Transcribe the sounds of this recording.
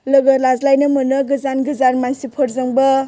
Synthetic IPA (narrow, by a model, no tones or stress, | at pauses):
lɯɡɐlazlajnɯmɯnɯɡɯzanɡɯzanmansipʰɔɾzɯŋbɐ